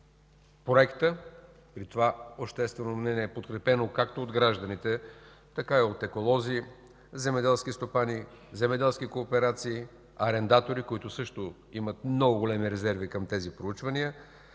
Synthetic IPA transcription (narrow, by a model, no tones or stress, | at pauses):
pɾoɛkt̪ə | pɾit̪ovaoʃt̪ɛst̪vɛnomnɛnʲiɛːpot̪̚kɾɛpɛnokakt̪ood̪ɡɾaʒd̪ənit̪ɛ | t̪ɐkaiot̪ɛkolˠɔzi | zɛmɛd̪ɛlˠskʲist̪opani | zɛmɛd̪ɛlˠsk̟ikoːpɛɾat̪siː | ɐɾɛnd̪at̪oɾikoit̪ʊsɤʃt̪o | imət̪̚mnɔɡʊɡolʲɛmiɾɛzɛɾvikɐmt̪ɛzipɾout͡ʃvɐniə